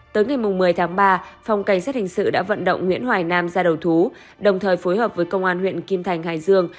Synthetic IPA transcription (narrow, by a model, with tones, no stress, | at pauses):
t̪əː˨˦jŋa˨˩jmʊ˨˩ŋ͡mːɨ˨˩əjt̪ʰaː˨˦ŋɓaː˧fa˨˩wŋ͡mka˧˩jŋ̟saː˦˥t̚hï˨˩ŋ̟sɨ̰˧˨ɗa̰ː˧˥və̰˧˨nɗə̰˧˨wŋ͡mŋwḭ˧˥ənhwaː˨˩jnaː˧mzaː˧ɗə˨˩wt̪ʰu˨˦ | ɗə˨˩wŋ͡mt̪ʰəː˨˩jfo˨˦jɦəː˨˩p̚vəː˨˦jkə˧wŋ͡mʔaː˧nhwḭ˧˨ənki˧mt̪ʰa˨˩jŋ̟haː˧˩jzɨ˧əŋ